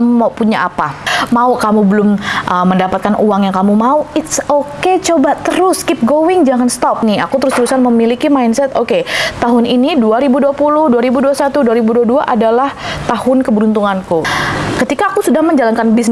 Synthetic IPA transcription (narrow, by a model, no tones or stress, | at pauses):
maupuɲaʔapamaukamubəlʊmʔəmːəndapat̪̚kanʔuaŋjaŋkamumauɪt̪soket͡ʃobat̪əɾʊskip̚ɡowɪŋd͡ʒaŋanst̪ɔp̚nia̰kut̪əɾʊst̪əɾusanməmilikimajnsɛt̪oket̪aɦʊniniduaɾibuduapulʊhduaɾibuduasat̪uduaɾibuduaduaʔadalaht̪ahʊnkəbɾunt̪uŋankukət̪ikaːkusudahməɲd͡ʒalankanbis